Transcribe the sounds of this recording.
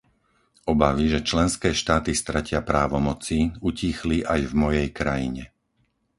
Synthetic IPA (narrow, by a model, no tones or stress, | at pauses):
ɔbaʋiʒɛt͡ʃlɛnskɛːʃt̪aːt̪ist̪ɾacɪapɾaːʋɔmɔt͡siucixliʔajvmɔjɛjkɾajiɲɛ